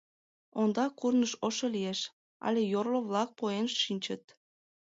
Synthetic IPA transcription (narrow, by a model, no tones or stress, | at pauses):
ond̪ɑkurnəʃoʃolieʃ | ɑ̰lʲejorloβlɑk̚poenʃːinʲt͡ɕət̪̚